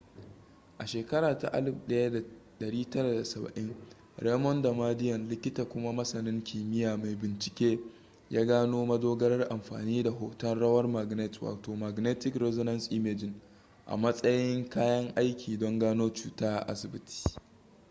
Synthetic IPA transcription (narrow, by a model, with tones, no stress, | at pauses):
ʔa˨ʃeː˨kɐ˦ɽaː˨ta̰˨ʔa̰˦lɪ˨bɗɐ˦ja˦da˨ɗɐ˨ɽiː˦tɐ˦ɾa˨da˨sɐ˨bɐ̰˨ʔɪ˦ŋ | ɾeː˦mɔ˦nda˨maː˦dɪ˦jɐ˨nlɪ˦kʲɪ˦ta˨kʷʊ˦ma˦mɐ˦sɐ˨nɪ˦ŋkʰʲiː˨mɪ˦jaː˨ma˨jbɪ˨nt͡ʃɪ̥˨kʲeː˦ | jaː˦ɡaː˦noː˦mɐ˦doː˦ɡɐ˦ɾɐ˦rʔa˨mɸa̰ː˨niː˦da˨ɦo˨tɐ˦nɽɐ˦wɐ˦rma˨ɡnɛ˦twa̰ː˨toː˨ma˨ɡneː˦tɪ˦kɾɛ˦zɔ˦nɐ˦nsʔɪ˦meː˦d͡ʒɪ˨ŋ | ʔa̰˨mɐ˦sʼɐ˦jɪ˦ŋkaː˦jɐ˦ŋʔa˦jkʲʰiː˨dɔ˦ŋɡaː˦noː˦t͡ʃuː˦taː˦ʔa̰˦sɪ˨bɪ˦tʰi̥ː˨